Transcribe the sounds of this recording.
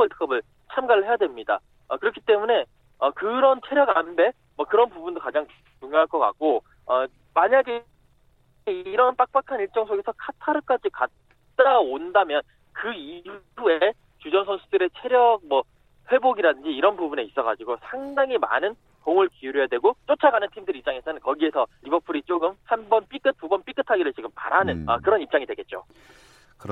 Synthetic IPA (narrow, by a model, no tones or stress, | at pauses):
ʌɭtʰɯ̥k͈ʌbɯɭ | t͡ɕʰamɡaɾɯɭhe̞jadwe̞mɲida̰ | ʌkɯɾʌkʰit͈e̞mune̞ | ʌkɯɾʌnt͡ɕʰe̞ɾjʌɡanbe̞ | mwʌkɯɾʌnpubundokad͡ʑaŋ | uɲjoɦaɭk͈ʌka̰k̚k͈o | ʌ | maɲaɡe | iiɾʌnp͈ak̚p͈akʰaniɭt͡ɕ͈ʌŋsʰoɡe̞sʰʌkʰatʰaɾɯk͈ad͡ʑikat̚ | t͈aondamjʌn | kɯi | ue | t͡ɕud͡ʑʌnsʰʌnsʰudɯɾe̞t͡ɕʰe̞ɾjʌɡ̚mʌ | ɸwe̞boɡiɾadɯnd͡ʑiːɾʌnbubune̞is͈ʌɣa̰d͡ʑiɡosʰaŋdaŋima̰nɯn | toŋɯɭkiuɾojadwe̞ɡot͡ɕ͈ot͡ɕʰaɡanɯntʰimdɯɾip̚t͡ɕ͈aŋe̞sʰʌnɯnkʌɡie̞sʰʌɾibʌpʰuɾit͡ɕ͈oɡɯmhanbʌnp͈ik͈ɯt̚pubʌnp͈ik͈ʰɯtʰaɡiɾɯɭt͡ɕiɡɯmpa̰ɾanɯnʌ̰kɯɾʌnip̚t͡ɕ͈aŋidwe̞ɡe̞t̚t͡ɕ͈o̰ | k